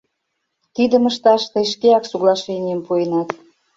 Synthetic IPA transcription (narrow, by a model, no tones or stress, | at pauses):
t̪id̪ə̆məʃt̪ɑʃt̪əjʃkeɑksuɣlɑʃenʲijəmpuenɑt̪